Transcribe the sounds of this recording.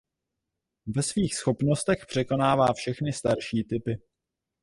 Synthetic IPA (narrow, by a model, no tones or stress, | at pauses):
vɛsviːxsxo̞pno̞st̪ɛxpr̝̥ɛko̞naːvaːfʃɛxnɪst̪aɾʃiːt̪ɪpɪ